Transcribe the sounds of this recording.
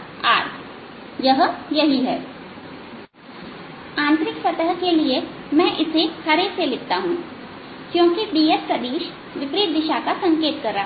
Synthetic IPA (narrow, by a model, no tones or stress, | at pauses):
a̰ːt̪ | jɐɦjɐɦiɦɛː | ãːnt̪ɾɪksɐt̪əɦkelie | mɛ̃ʔɪsehɐɾeselɪk̚t̪aɦũː | kjõːkiɖiːespɾɐd̪iːʃ | ʋɪpɾiːt̪̚d̪ɪʃakasɐ̃ŋkeːt̪kɐɾːaɦ